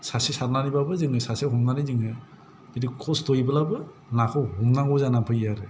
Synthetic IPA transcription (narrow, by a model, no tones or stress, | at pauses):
sasisaɾnanibabɯzɯŋɯsaseɦumnanizɯŋɯ | bidikʰɔsdɔjbɯlabɯ | nakʰɔhumnaɡɔzanapʰɯjaɾɯ